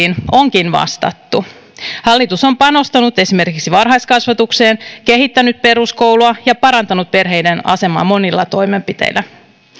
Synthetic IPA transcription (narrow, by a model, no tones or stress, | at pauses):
ino̞ŋkinʋɑ̰st̪ɑ̰t̪ːu | hɑlːit̪uso̞mpɑno̞st̪ɑnut̪e̞sime̞rkiksiʋɑrɦɑjskɑsʋɑt̪ukseːnke̞ɦit̪ːænyt̪̚pe̞ɾusko̞wluɑjɑpɑɾɑnt̪ɑnut̪̚pe̞rɦe̞jdenɑ̰se̞mɑ̰ːmo̞nilːɑ̰t̪o̞jme̞mpit̪ḛjlːˑæ